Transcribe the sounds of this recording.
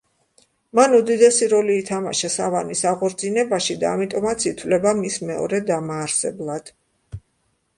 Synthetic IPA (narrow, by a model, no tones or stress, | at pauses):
manud̪id̪ɛsiɾɔliːt̪ʰama̰ʃasavanisaʁɔɾd̪zinɛbaʃid̪aːmit̪ʼɔmat̪sʰit̪ʰvlɛbamismɛɔ̰ɾɛd̪amaːɾsɛblˠad̪̥